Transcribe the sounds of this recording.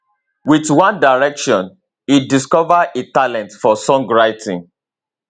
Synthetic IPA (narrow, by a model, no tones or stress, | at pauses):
witwãndaɹɛkʃɔ̃n | it̚diskɔvaetalɛ̃ntfɔsɔ̃ŋɡɹaɪtʰĩŋ